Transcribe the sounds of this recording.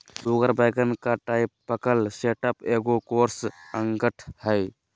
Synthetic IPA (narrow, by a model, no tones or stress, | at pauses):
luɡəɾbəjɡənkaʈaɪpːəkəlseʈəpeɡokoɾsəŋɡəʈʰhəj